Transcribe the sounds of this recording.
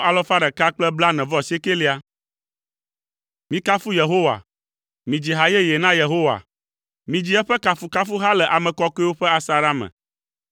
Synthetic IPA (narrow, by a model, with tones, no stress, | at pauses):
a˨lɔ˦fa˦ɖɛ˨ka˦k͡plɛ˦bla˦nɛ̃˨vɔ˦se˦ke˦li˦a˦ | mĩ˦ka˦fu˦je˨ɦo˦wa̰˨ | mĩ˨d͡ʑi˨ɦa˦jɛ˦je˨nã˦je˨ɦo˦wa̰˨ | mĩ˨d͡ʑi˦ɛ˦ɸɛ˦ka˨fu˦ka˦fu˦ɦa˦lɛ˨ʔa˨mɛ̃˨kɔ˦ke˦wo˦ɸɛ˦a˨sa˨ɾa˦mɛ̰̃˨